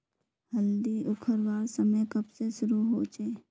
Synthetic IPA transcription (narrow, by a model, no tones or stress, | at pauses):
həld̪iʊkʰəɾʋaːɾsəməjkəbseʃʊɾuɦoːt͡ʃeː